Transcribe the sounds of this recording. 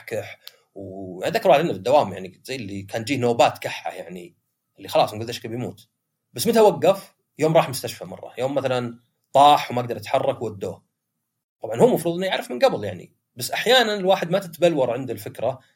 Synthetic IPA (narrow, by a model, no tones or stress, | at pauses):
kaħ | waðakːɑɾwaħd̪ɪnːafɪd̪ːawaːmja̰ʕnizajːɪlːikʰaːnd͡ʒiːhnoːbaːt̪kaħːa̰jaʕni | ʔɪlːixɑlɑːsˤnɡuld̪ʔaʃkabjmṵːt̪ | basːmɪt̪awaɡːaf | joːmɾˤɑːħmʊst̪aʃfamɑ̰rˤːɑ̰joːmːaθalan | t̪ˤɑːħwmaʔaɡ̚d̪ɑɾˤɪt̪ħɑrˤːɑkwwad̪ːo̰ː | t̪ˤɑbʕɑnhʊmːɑfɾuːðˤɪnijaʕɾɪfmɪnɡabljaʕnḭ | basːʔaħjaːnanɪlwaːħɪd̪mat̪ɪt̪balwɑɾˤʕɪnd̪ɪlfɪkɾa